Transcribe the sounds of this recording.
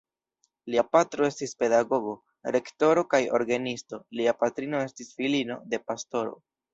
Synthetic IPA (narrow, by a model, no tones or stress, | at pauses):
liapatɾo̞e̞stispe̞daɡo̞ɡo̞ | ɾe̞kto̞ɾo̞kajo̞ɾɡanisto̞liapatɾino̞e̞stisfilino̞̰de̞pasto̞ɾo̞̰